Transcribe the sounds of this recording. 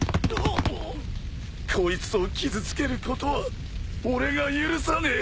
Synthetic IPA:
no | kʰo̞it͡sɨo̞kʲizɨt͡sɨ̥ke̞ɾɯ̟ko̞t̪oβa | oɾe̞ɡajɯɾɯ̟sane

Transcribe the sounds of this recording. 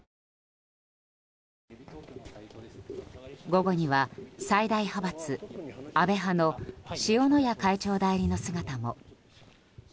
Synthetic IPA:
ɡo̞ɡo̞ɲ̟iβasaid̪aihabat͡sɨabe̞ɦano̞ɕio̞no̞jakait͡ɕo̞ːd̪aiɾʲino̞sɨɡat̪amo̞̰

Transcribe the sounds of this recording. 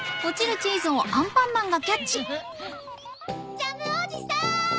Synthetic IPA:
kot͡ɕiɾɯ̟t͡ɕiːzɨ̃oãmpãnːãŋɡakʲat͡ɕibɯ | t͡ɕamɯod͡ʑisa

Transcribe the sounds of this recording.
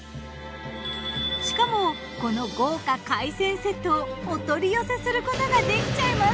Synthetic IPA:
ɕi̥kamo̞ | ko̞no̞ɡo̞ːkakaisẽ̞ɰ̃se̞t̪oːt̪o̞ɾʲijose̞sɨɾɯ̟kot̪o̞ɡad̪e̞kʲi̥t͡ɕaimas

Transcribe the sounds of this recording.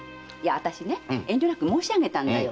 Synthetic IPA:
jaat̪aɕine̞ẽ̞ɲd͡ʑʲonakɯ̟mo̞ːɕiaɡe̞t̪ãnd̪ajo

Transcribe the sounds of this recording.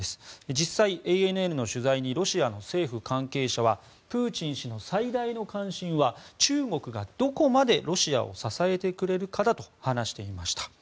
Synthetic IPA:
esɨ̥d͡ʑisːaiʔeenɯ̟e̞ɾɯ̟no̞ɕɨzaiɲ̟iɾo̞ɕiano̞se̞ːɸɯ̟kãŋke̞ːɕaβa | pɯːt͡ɕĩɰ̃ɕino̞said̪aino̞kãɰ̃ɕĩɰ̃βat͡ɕɨːɡo̞kɯ̟ɡad̪̥o̞ko̞mad̪e̞ɾo̞ɕia̰o̞̰sasae̞t̪e̞kɯ̟ɾe̞ɾɯ̟kad̪at̪o̞̥hanaɕi̥t̪e̞imaɕi̥t̪ḁ

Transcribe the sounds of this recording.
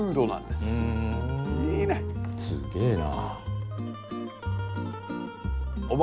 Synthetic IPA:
ɯːd̪onã̰nd̪esɯ̃ | iːnesɨ̰ɡe̞ːna̰ | ob

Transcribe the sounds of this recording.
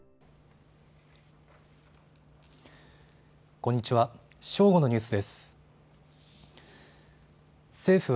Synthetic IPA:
kõ̞ɲ̟ːit͡ɕiβa | ɕo̞ːɡo̞no̞ɲʲɨːsɨd̪e̞sɨ̥ | se̞ːɸɯ̟β

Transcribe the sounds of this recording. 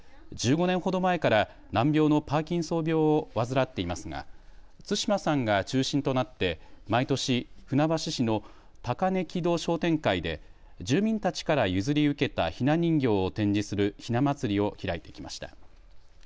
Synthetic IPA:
d͡ʑɨːɡo̞nẽ̞ɰ̃ho̞d̪o̞mae̞kaɾa | nãmbʲo̞ːno̞paːkʲĩɰ̃so̞ːbʲjo̞ːβazɨɾat̪ːe̞imasɨɡa̰t͡sɨɕimasãŋɡat͡ɕɨːɕĩnt̪o̞nat̪ːe̞mait̪o̞ɕiɸɯ̟nabaɕiɕino̞ | t̪akane̞kʲid̪o̞ːɕo̞ːt̪ẽ̞ŋkaid̪e̞ | d͡ʑɨːmʲĩnt̪at͡ɕi̥kaɾajɯ̟zɨɾʲiɯ̟ke̞t̪a̰çinaɲ̟ĩŋɡʲo̞ːt̪ẽ̞ɲ̟d͡ʑisɨɾɯ̟çinamat͡sɨɾʲio̞çiɾait̪e̞̥kʲima̰ɕi̥t̪ḁ̰

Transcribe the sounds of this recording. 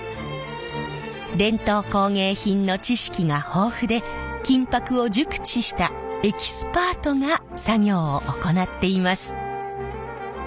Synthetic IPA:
d̪ẽ̞nt̪o̞ːko̞ːŋe̞ːçĩnno̞t͡ɕiɕi̥kʲiŋaho̞ːɸɯ̟d̪e̞ | kʲĩmpakɯ̟o̞d͡ʑɨkɯ̟̥t͡ɕiɕi̥t̪a | e̞kʲi̥sɨ̥paːt̪o̞ŋa | saɡʲo̞ːʔoko̞nat̪ːe̞imasɨ̥

